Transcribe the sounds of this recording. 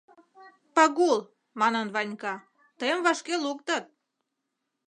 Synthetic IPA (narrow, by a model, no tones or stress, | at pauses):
pɑɣul | mɑnənβɑnʲkɑ | t̪əjəmvɑʃkeluk̚t̪ət̪̚